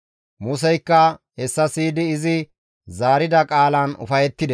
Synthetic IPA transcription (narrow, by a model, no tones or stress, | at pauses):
mʊs̬ɛjkːɐhɛsːɐsiːd̪ɪːzɪ | zaːɾɪd̪ɐkʼaːlɐnʊ̰fɐjɛt̪ːɪd̪ɛ